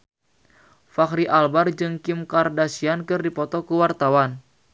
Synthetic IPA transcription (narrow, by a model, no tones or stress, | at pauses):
fakɾiʔalbard͡ʒɨŋkimkardasiankɨrdipɔt̪ɔkuwart̪awan